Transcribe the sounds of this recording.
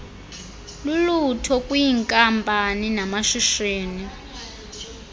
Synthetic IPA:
lulutʰɔkʼujiŋkʼampʼaninamaʃiʃeːni

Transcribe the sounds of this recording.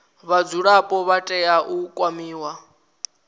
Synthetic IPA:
βad͡zuɺapʼɔβatʼɛaʔukʼwamiːwa

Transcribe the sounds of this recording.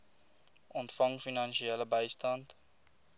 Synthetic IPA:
ʔɔntfɐŋfinɑnʃiɛləbəjstɐnt

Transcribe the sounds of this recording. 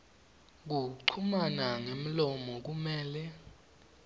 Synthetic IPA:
k̬uǀʰumanaŋem̩lɔmɔk̬umɛːlɛ

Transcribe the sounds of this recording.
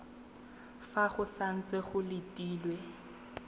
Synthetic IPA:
faχʊsan̩t͡sʼeχʊlɪtʼiːlwe

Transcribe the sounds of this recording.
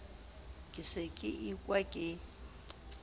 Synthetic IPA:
kʼɪsɪkʼɪʔikʼwakʼɪ

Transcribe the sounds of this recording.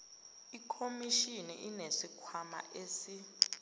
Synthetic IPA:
ikʰomiʃinḭʔinesikʰwama̰ʔesi

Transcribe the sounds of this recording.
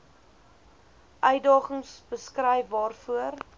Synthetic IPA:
ʔœɥdɑːχəŋsbəskrɛjfbɑːrfuər

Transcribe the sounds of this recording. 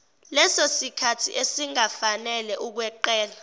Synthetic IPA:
lɛsosikʰatʰḭʔesiŋafanɛlɛʔuk̬wɛǃɛːla

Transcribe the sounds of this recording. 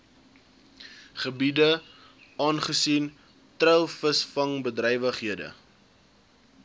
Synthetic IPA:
χəbidə | ɑːnχəsin | trəwfəsfɐŋbədrɛjvəχɦiədə̰

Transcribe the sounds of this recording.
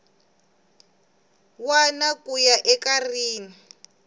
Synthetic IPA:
wanakujaʔɛkariːni

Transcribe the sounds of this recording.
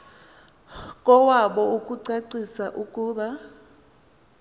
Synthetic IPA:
kʼɔwaɓɔukʼuǀaǀisaʔukʼuːɓa

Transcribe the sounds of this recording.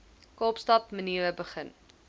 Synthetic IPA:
kɑːpstɐp̚məniəəbəχən

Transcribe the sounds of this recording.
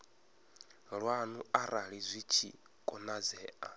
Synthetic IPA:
ɺwanuaɾaɺizʷit͡ʃʰḭ | kʼɔnad͡zɛːʔa̰

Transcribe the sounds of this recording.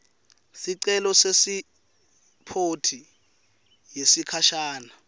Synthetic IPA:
siǀɛlɔsesi | pʰotʰi | jesikʰaʃaːna

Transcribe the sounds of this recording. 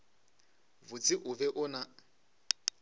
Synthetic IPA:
vʊt͡sʼɪʔʊvɛʔʊna

